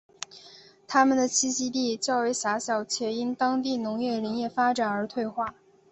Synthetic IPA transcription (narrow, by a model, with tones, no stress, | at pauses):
t̪ʰa˥mə˨nd̪ə˩t͡ɕʰi˥ɕi˥t̪i˥˩t͡ɕjɑ˥˩ʊwe˧˥ɪʂa˧˥ɕjɑ˨˩ʊt͡ɕʰjɛ˨˩i˥nt̪ɑ˥ŋt̪̬i˥˩nʊ˧˥ŋjɛ˥˩ɻə˧˥ŋjɛ˥˩fa˥ʈ͡ʂa˨˩nə˞˧˥t̪ʰwe˥˧ɪxwa˥˩